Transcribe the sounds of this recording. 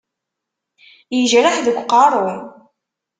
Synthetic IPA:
jəʒɾaħðəɡʷːqɑrˤʊɾ

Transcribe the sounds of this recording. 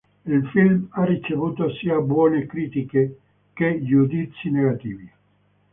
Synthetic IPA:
ilfilmarːit͡ʃevuːt̪osiːabwɔːnekɾiːt̪ike | keʎud̪it̪sːineɡat̪iːvi

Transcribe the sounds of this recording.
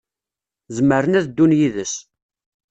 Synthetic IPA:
zəməɾənæðd̪ːunjiðəs

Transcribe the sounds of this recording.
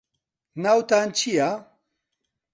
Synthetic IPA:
nawt̪ant͡ɕʰija

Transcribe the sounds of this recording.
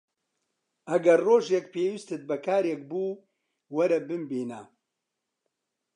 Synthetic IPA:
ɐɡɐrroːʒekpeːwist̪ɨt̪̚bɐkʰaːɾek̚buː | wɐɾɐbɨmbeːna̰

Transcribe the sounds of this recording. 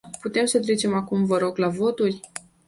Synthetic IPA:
put̪e̞msət̪ɾe̞t͡ʃe̞makumvəɾo̞ɡlavo̞t̪urʲ

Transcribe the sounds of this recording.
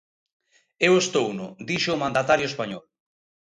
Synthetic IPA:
ewest̪ownʊd̪iʃoːmãnd̪at̪aɾjoespaɲɔl

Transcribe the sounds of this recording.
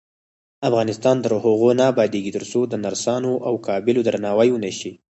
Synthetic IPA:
afɣɑnɪst̪ɑnd̪əɾhʊɣonabɑd̪eɡit̪əɾsod̪ənaɾsɑnoʔawkɑbɪlod̪ɾanɑwajonəʃi

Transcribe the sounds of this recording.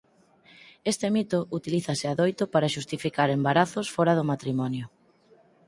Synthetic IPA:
est̪emit̪ʊʔut̪iliθasɪaðojt̪ʊpaɾaʃust̪ifikaɾembaɾaθʊsfɔɾaðʊmat̪ɾimɔnjʊ

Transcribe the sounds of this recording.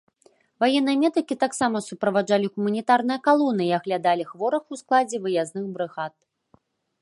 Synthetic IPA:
vajɛnːɨjɐmʲɛd̪ɐkʲit̪aksamɐsupɾɐvad͡ʐalʲiɣumɐnʲit̪arnɨjɐkalˠɔnːɨiaɣlʲad̪alʲixvɔɾɐxusklˠad͡zʲɛvɨjaznɨxbɾɨɣat̪̚

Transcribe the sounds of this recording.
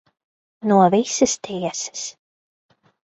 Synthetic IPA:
nuɔvisɨst̪iɛsɨ̥s

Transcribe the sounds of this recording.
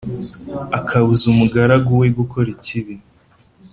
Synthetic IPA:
akʰaβuzumuɡaɾaɡuweɡukʰo̞ɾiciβi

